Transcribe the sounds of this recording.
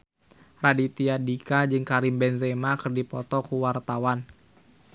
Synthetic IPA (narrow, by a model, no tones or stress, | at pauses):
radit̪iadikad͡ʒɨŋkaɾimbɛnzɛmakɨrdipɔt̪ɔkuwart̪awan